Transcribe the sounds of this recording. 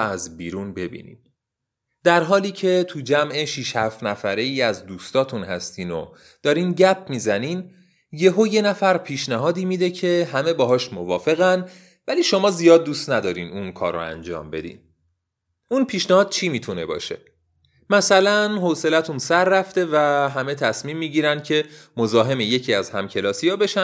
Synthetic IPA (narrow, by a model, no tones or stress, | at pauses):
æzbiːɾuːnbe̞bḭːnḭd | d̪̥æɾɦɒːliːcʰe̞t̪ʰud͡ʒæmʔeʃiʃhæftnæfæɾe̞iːæzd̪uːst̪ɒːt̪ʰunhæst̪iːno̰ | d̪̥ɒːɾiːnɟæp̚ʰmiːzæniːn | je̞ɦoje̞næfæɾpʰiːʃnæɦɒːd̪iːmid̪e̞cʰe̞ɦæme̞bɒːɦɒːʃmovɒːfe̞ɣæn | væliːʃo̞mɒːzijɒːd̪̚ːuːst̪næd̪ɒːɾiːnunkʰɒ̰ːɾo̰æ̰nd͡ʒɒ̰ːmbe̞̰d̪ḭːn | unpʰiːʃnæhɒːd̪̥̚t͡ʃʰiːmiːt̪ʰune̞̰bɒ̰ːʃe̞̰ | mæsælænɦose̞læt̪ʰunsæɾːæft̪e̞væɦæme̞t̪ʰæsmiːmːiɟiːɾænd̪̚cʰe̞mo̞zɒːɦe̞meje̞cʰiːæzhæmcʰe̞lɒːsijɒːbe̞ʃæn